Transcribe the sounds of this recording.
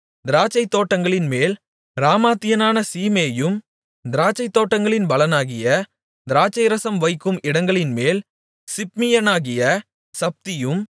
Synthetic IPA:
d̪ɪɾaːt͡ʃːɐɪt̪ːoːʈːɐŋɡɐɭɪnmeːl | ɾaːmaːt̪ːɪjɐnaːnɐsiːmeɐjɯm | d̪ɪɾaːt͡ʃːɐɪt̪ːoːʈːɐŋɡɐɭɪnbɐlɐnaːɣɪjɐ | d̪ɪɾaːt͡ʃɐɪɾɐsɐmʋɐɪkːɯmɪɽɐŋɡɐɭɪnmeːl | sɪp̚mɪjɐnaːɣɪjɐ | sɐp̚t̪ɪjɯm

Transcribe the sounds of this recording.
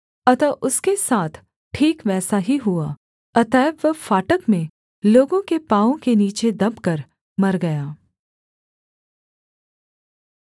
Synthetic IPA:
ɐt̪ɐʔʊskesaːt̪ʰ | ʈʰiːkʋɛːsaɦiɦʊa | ɐt̪ɛːbʋəfaːʈəkmẽ | loːɡõkepaːõkeniːt͡ʃed̪ɐbkɐɾ | mɐɾɡɐjaː

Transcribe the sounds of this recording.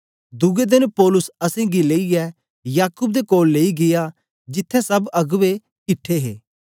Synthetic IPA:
d̪ʊɡed̪ɪnpɔːlʊsɐsẽɡileːiɛ | jaːkʊb̚d̪ekoːlːeːiɡɪja | d͡ʒɪt̪ʰːɛ̃sɐbɐɡʋe | kɪʈʰːeɦḛː

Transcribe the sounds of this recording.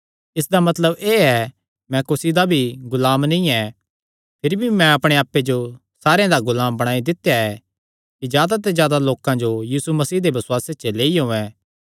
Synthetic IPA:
ɪs̬d̪amɐt̪ləbeːɛ | mɛ̃kʊsid̪abʱiɡʊlaːmnĩɛ | pʰɪɾibʱimɛ̃ɐpɽ̃eaːpːed͡ʒo | saːɾeãd̪aɡʊlaːmbɐɽ̃aːid̪ɪt̪ːjaɛ | kizjaːd̪at̪̬ɛzjaːd̪aloːkãd͡ʒojiːsumɐsiːd̪ebɐswaːset͡ʃəleːiɦõːɛ̃

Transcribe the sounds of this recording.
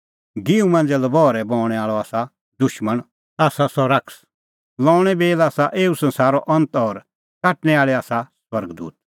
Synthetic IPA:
ɡɪumɐ̃ːnd͡zɛlɐbɔːɾɛbɔ̃ːɽ̃ɛaːɭɔaːsa | d̪ʊʃməɽ̃ | aːsasɔɾɐks | lɔ̃ːɽ̃ɛbeːlaːsaʔeːusɐ̃nsaːɾɔʔɐ̃nt̪ɔːɾ | kaːʈñɛaːɭɛaːsaswɐɾɡd̪ṵːt̪̚

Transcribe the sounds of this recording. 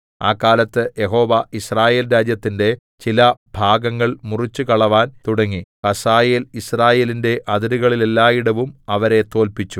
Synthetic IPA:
aːkːaːlɐt̪ːɨje̞ɦo̞ːʋɐisraːje̞ːlɾaːd͡ʑjɐt̪ːinde̞ | t͡ɕilɐb̥ʱaːɡɐŋːɐɭmurit͡ɕːukɐɭɐʋaːnt̪uɽɐŋːikɐsaːje̞ːlisraːje̞ːlinde̞ʔɐðɐɾuɣɐɭile̞lːaːjiɽɐʋumɐʋɐɾe̞t̪o̞ːlpit͡ɕːu

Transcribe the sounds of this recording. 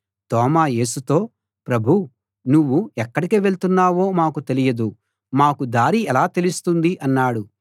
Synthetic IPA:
t̪ɔːmaːje̞ːsut̪o̞ː | pɾɐbʱu | nuʋːuɛkːɐɽikiʋe̞ɭt̪unːaːʋo̞ːmaːkut̪e̞lijɐd̪u | maːkud̪aːɾiɛlaːt̪e̞lust̪und̪iʔɐnːaːɽu

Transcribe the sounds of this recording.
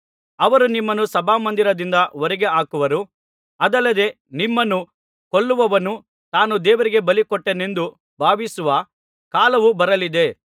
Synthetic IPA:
ɐʋɐɾunimːɐnusɐbʱaːmɐnd̪iɾɐd̪ind̪ɐoɾiɡe̞aːkuʋɐɾu | ɐd̪ɐlːɐd̪e̞ | nimːɐnu | koɭːuʋɐʋɐnu | t̪aːnud̪ɛːʋɐɾiɡe̞bɐlikɔʈːene̞nd̪u | bʱaːʋisuʋɐ | kaːlɐʋubɐɾɐlid̪e̞

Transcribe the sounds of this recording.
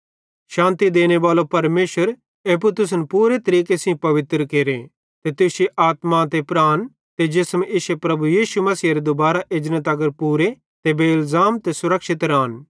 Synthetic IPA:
ʃãːnt̪id̪eːñebaːlopɐɾmeːʃwəɾ | eːp̬ut̪ʊs̬npuːɾet̪ɐɾiːkesĩpɐʋɪt̪ɾəkeːɾe | t̪et̪ʊsiʔaːt̪mat̪epɾaːn | t̪ed͡ʒɪsmʔɪsepɾɐbujiːʃumɐsiːɐɾed̪obaːɾaʔɪd͡ʒnət̪ɐɡəɾpuːɾe | t̪ebeɪlzaːmt̪esʊɾɐkʃɪt̪ɾaːn

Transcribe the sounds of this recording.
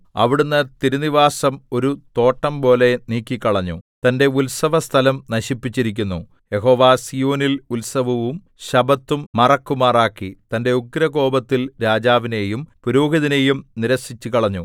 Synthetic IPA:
ɐ̰ʋiɽunːɐt̪iɾuniʋaːsɐmo̞ɾut̪o̞ːʈːɐmpo̞ːle̞niːkʲːikːɐɭɐɲːṵt̪ɐnde̞ulsɐʋɐst̪ʰɐlɐmnɐɕipːit͡ɕːiɾik̬ʲːunːu | je̞ɦo̞ːʋaːsijoːnilulsɐbʱɐʋum | ɕɐbɐt̪ːumːɐrɐkːumaːraːkːit̪ɐnde̞uɡɾɐɣo̞ːbɐt̪ːilɾaːd͡ʑaːʋine̞jumpuɾoːɡiðine̞ːjumniɾɐsit͡ɕːukɐɭɐɲːu

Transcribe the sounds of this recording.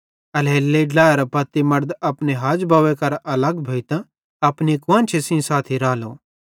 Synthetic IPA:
ɐleːlːeɖlaːɾpɐt̪ːimɐɾd̪ɐpneɦaːd͡ʒbaːʋekɐɾɐləɡbʱɐit̪ã | ɐpnikwãːnt͡ʃʰisĩsaːt̪ʰiɾaːloː

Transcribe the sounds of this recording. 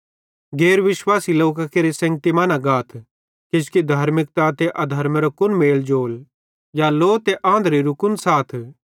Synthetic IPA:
ɡeːɾʋɪʃwaːsiloːk̬akeɾisɐ̃ŋɡ̚t̪imanaɡaːt̪ʰ | kɪskid̪ʱaːɾmɪk̚t̪at̪eʔɐd̪ʱɐɾmeɾokʊnmeːld͡ʒoːl | jaloːt̪eʔãːnd̪ɾiɾʊkʊnsaːt̪ʰ

